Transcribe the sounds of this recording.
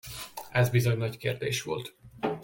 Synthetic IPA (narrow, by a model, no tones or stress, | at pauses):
ɛzbizo̞ɲnɒckeːrd̪eːʃʋo̰lt̪